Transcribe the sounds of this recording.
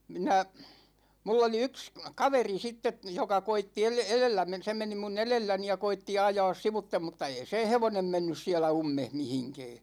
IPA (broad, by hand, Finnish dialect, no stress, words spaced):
minæ mulː oli yks kɑʋeri sitːe jokɑ koitːi el elelːæ men se meni mun elelːæni jɑ koitːi ɑjɑːs siʋutːem mutːɑ ei sẽː heʋonem menːys siælæ umːeh mihiŋkɛː